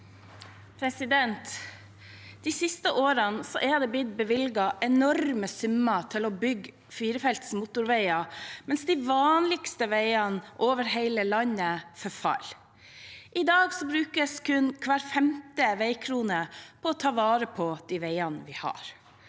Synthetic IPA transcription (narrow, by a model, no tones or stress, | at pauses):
pʰɾɛsɪd̪ɛnt̪ | d̪̥isɪst̪əʔoːɾənsɔʔɛd̪ɛbɪt̪̚bəʋɪlɡɑʔɛnɔɾməsʉmɑt̪ʰɪlɔbʏɡ | fiːɾəfɛlt̪smʊt̪ʊɾʋæɪɑmɛnsd̪iʋɑːnlɪɡst̪əʋeɪɑnʔoːʋəɾheɪləlɑɲəfœfɑ̰l | ʔɪd̪ɑːɡsɔbɾʉːkəskʰʉnkʰʋæːɾfɛmt̪əʋæɪkʰɾuːnəpʰɔɔt̪ʰɑːʋɑːɾəpʰɔd̪̥iʋeɪɑnʋɪhɑ̰ːɾ